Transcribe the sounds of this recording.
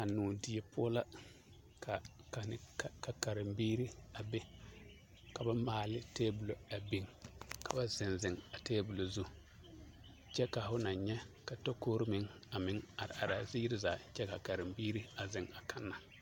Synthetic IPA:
ka˨nuː˨dɪ˨ɛ˨pʰʊ˦ɔ˦la˦ | kʰa˨ka˨nɪ˦ka˨ka˨ɾɪ˨mbiː˦ɾi˦a˨bɛ˦ | ka˨ba˦maː˨lɪ˦teː˦bu˨lo˨a˨bi˨ŋkʰa˨ba˦zɪ˨nzɪ˨ŋa˨teː˦bu˨lo˨zu˦ | t͡ʃɛ˦ka˨fʊ˦na˨ɲɲɛ˦ka˨tɔ˦koː˦ɾɪ˦mɪ˨ŋ | a˨mɪ˦ŋa˨ɾɪ̰˨ʔa˨ɾa˨zɪ˦jɪ˦ɾɪ˦zaː˨t͡ʃɛ˦ka˨ka˨ɾɪ˨mbiː˦ɾi˦a˨zɪ˨ŋa˨kʰa˦nːa˨

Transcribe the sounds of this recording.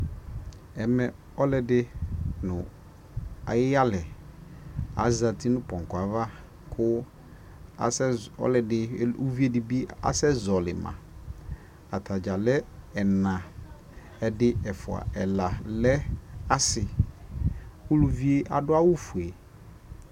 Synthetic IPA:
ɛ˨mɛ˨ | ɔ˦lɛ˨dɪ˦nʊ̃˨ | a̰˨jɪ˦ja˦lɛ˨ | a̰˨˦za˨tʰɪ˦nʊ̃˦pɔ̃˨ŋ˨kʊ˨a˨va˦ | kʰʊ˦ | a˨sɛ˦ɔ̰˦lɛ˨dɪ˨˦u˦vi˦e˦dɪ˨bi˦a̰˦sɛ˦zɔ˨lɪ˨mã̰˨ | a̰˨tʰa˨d͡ʒa˨lɛ˦ɛ˨nã˨ | ɛ˨dɪ˦ɛ˨fʊ˨a̰˨ɛ˨la˨lɛ˦a˦sɪ˨ | kʊ˦lu˨vi˦e˦ʔa̰˨dʊ˦a˦wʊ˦fu˨e˨

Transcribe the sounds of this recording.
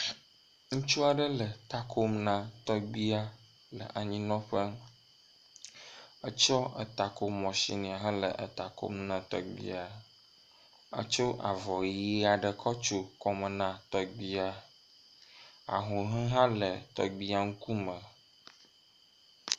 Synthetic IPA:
ŋũ˦t͡ʃu˦a˨ɖə˦lə˨t̪a˨kʰo˦mnã˨t̪ɔ˦ɡ͡bi˦a˦ | lə̰˨ʔa˨ɲĩ˦nɔ̃˦ɸə˦ | ə˦t͡ʃɔ˦ə˨t̪a˨ko˦mɔ̃˨sḭ˨nĩ˨a˨ɦə˦lə̰˨ʔə˨t̪a˨ko̰˦mnã˨t̪ɔ̰˨ɡ͡bḭ˦a˨ | ə̰˦t͡ʃo˦ʔa̰˨vɔ˨ji˦a˨ɖə˨kʰɔ˦t͡ʃo˦kɔ˦mə˨nã˨t̪ɔ˨ɡ͡bi˦a˨ | a̰˨ɦũ˨ɦɛ̃˦ɦã˦lə˨t̪ɔ̰˨ɡ͡bi˦a˨ŋu˦ku˦mə̃˨

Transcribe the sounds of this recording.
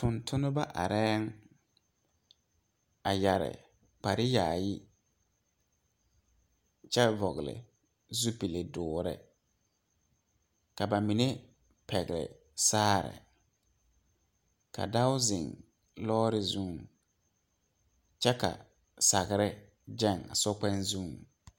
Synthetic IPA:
tʊ˨ntʰʊ˦nʊ˦ba˦ʔa̰˨ɾɛː˦ŋ | a˨ja˨ɾɪ̰˨ | k͡pa˨ɾɪ˦jaː˨ji˦ | t͡ʃɛ˦vɔ˨ɣɪ˨lɪ̰˨ | zu˦pi˨le˨dʊː˨ɾɪ̰˦ | ka˨ba˨mi˨ne˦ | pʰɛ˨ɣɪ˨ɾɪ̰˨ | saː˦ɾɪ̰˨ | ka̰˨da˦ʊ˦zɪ˨ŋ | lɔː˦ɾɪ˦zu˦˨ŋ | t͡ʃɛ˦ka̰˨ | sa˨ɣɪ˨ɾɪ˦ | d͡ʒɛ˦˨ŋa̰˨sɔ˦k͡pɛ˦nzũ˦˨ŋ

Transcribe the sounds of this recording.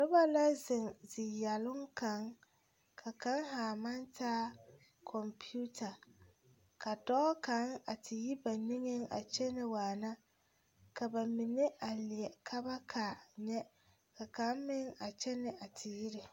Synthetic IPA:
lʊ˦ba˦la˦zɪ˨ŋzɪ˨jɛ˨lʊ˦ŋka˨˦ŋ | kʰa˨ka˦ŋhaː˨ma˦ntaː˦ | kʰɔ˨mpʰi˦u˦tʰa˨ | ka˨dɔ˦ka˨˦ŋa˨tʰɪ˨ji˦ba˨ni˦ŋɪ˦ŋa̰˨t͡ʃɛ˦nɪ˨waː˨na˦ | ka˨ba˨mɪ˨nɪ˦ʔa˨lɪ˨ɛ˨kʰa˦ba˦kʰaː˨ɲɛ˦ | ka˨ka˨˦ŋmɪ˦ŋa˨t͡ʃɛ˦nɪ˨ʔa˨tʰɪ˨ji˦ɾɪ˨

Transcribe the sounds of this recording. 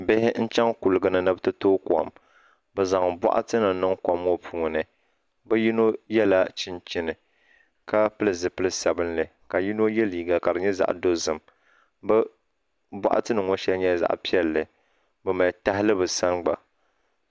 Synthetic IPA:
bɪ˦hɪ˦n̩˦t͡ʃɛ˦ŋku˨lɨ˨ɡɨ˨nɨ˨nɨ˦bɨ˦tɨ˦toː˦ka̰˨m | bɨ˨za˨ŋba̰˦ʔa̰˦tɨ˦nɨ˨˦nɨ˦ŋkɔ˨mːo˦pʰuː˨ŋ˨nɨ˨ | bɨ˦ji˦no˦jɛ˦la˦t͡ʃɪ˦nt͡ʃɪ˦nɨ˨ | ka˦pɨ˦lɨ˨zɨ˨pɨ˦lɨ˦sa˨bɨ˦nlɨ˨ | ka˨ji˦no˦jɛ˦liː˨ɡa˨ka˨dɨ˨ɲɛ˦za̰˨ʔdo˦zɨ˨m | bɛ˦ | ba̰˦ʔa̰˦tɨ˦nɨ˨ŋɔ˦ʃɛ˦lɲɛ˦za̰˦ʔpi˦ɛ˦lːɨ˨ | bɨ˨ma˨ta˦hɪ˦lɨ˦bɨ˨sa˦nɡ͡ba̰˨

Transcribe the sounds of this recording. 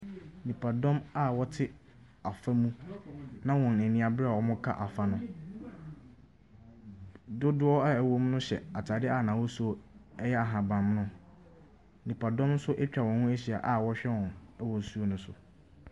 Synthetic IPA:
nĩ˨pʰa˨dɔ̃˦ma˦˨wɔ˦tʰɪ˦ | a˨fa˦mũ˦nã˦wɔ̃˨n˨nĩ˨a˨bɾa˨ɔ˨˦mʊ̃˦kʰa̰˦ʔa˨fa˨nʊ̃˦ | dʊ˦dʊ˦ɔ˦a˦˨æ˨wo˦m˦nʊ̃˦ɕɛ̰˨a˨tʰa˨dɪ˦a˦˨nãː˨wɔ˦su˦o˦ɛ˦jɛ˦a˨ɦã˨bã˨mnʊ̃˦ | nĩ˨pʰa˨dɔ̃˦m̩˦sʊ˦ʔɛ˦t͡ɕᶣa˨wɔ̃˨nhʊ̃˦æ˦ɕi˨a̰˨ʔa˦˨wɔ˦ɕᶣɛ˦wɔ̃˨nɛ˦wɔ˨n˨su˦o˦˨nʊ̃˨˦sʊ˨

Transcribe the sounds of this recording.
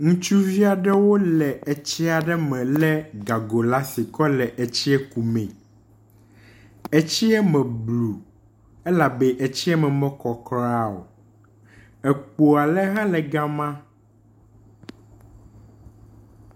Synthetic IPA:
ŋũ˦t͡ʃu˦vi˦a˨ɖɛ˦wo˦lɛ˨ɛ˨t͡ɕi˦a˨ɖɛ˦mɛ̃˨lɛ˦ɡa˨ɡo˨la˦si˨kɔ˦lɛ˨ʔe˨t͡ɕi˦ɛ˦ku˨mɛ̃˨ | ɛ˨t͡ɕi˦ɛ˦mɛ̃˨blu˨ | ɛ˦la˨bɛ˦ʔe˨t͡ɕi˦ɛ˦mɛ̃˨mɛ̃˦kɔ˨kɾa˦o̰˨ | ɛ˨k͡po˨a˨lɛ˦ɦã˦lɛ˨ɡa˦mã˦

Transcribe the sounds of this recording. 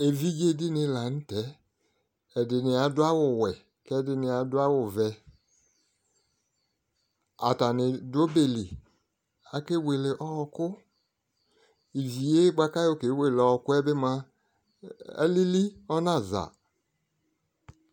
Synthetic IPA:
e˨vi˦d͡ʒe˦dɪ˦nɪ˧˦la˨n̩˦tɛ˨˦ | ɛ˨dɪ˨nɪ˨a˨˦dʊ˦a˦wʊ˨wɛ˨ | kɛ˦dɪ˧nɪ˨a˨˦dʊ˦a˦wʊ˨vɛ˧ | a˨ta˨nɪ˨do˦be˨li˨ | a˨ke˦we˨le˨ʔɔ˦˨˧kʊ˦ | i˨vi˨je˦ɡ͡ba˦ka˦jo˦˨ke˨˦we˦˨lɔ˨kʊ˦ɛ˦bɪ˦ma˧ | ɛ̰˦li˦li˦ɔ˦na˦˨za̰˨

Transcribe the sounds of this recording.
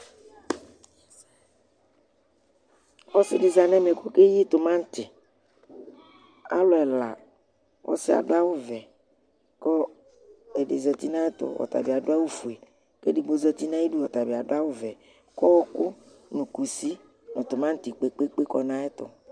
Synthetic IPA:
wɔ˦sɪ˦dɪ˨za˨nɛ˦me˨ko˦ke˦ji˦t̪ʊ˨mã˦ŋ̩˦t̪ɪ˨ | a̰˦lʊ˨ɛ˨la̰˨ | wʔɔ̰˦sɪ˦a̰˨dʊ˦a˦wʊ˦vɛ˨ | kɔ˦ | ɛ˨ɖɪ˨zɛ˨t̪i˦nã˦ɛ˦t̪ʊ̰˨wɔ̰˨t̪a̰˨bi˨a˨dʊ˦a˦wu˦fu˨e˨ | ke˦di˨ɡ͡bo˦zɛ˦t̪i˦nã˦ji˦du˦ɔ˨t̪a˨bi˨a˨dʊ˦a˦wʊ˦vɛ˨ | kɔ˦wɔ˦kʊ˦ | nũ˨ku˨si˦ | nɔ̃˨t̪ʊ˨mã˦ŋ̩˦t̪i˨k͡pe˦k͡pe˦k͡pe˦kɔ˦nã˦ɛ˦t̪ʊ̰˨

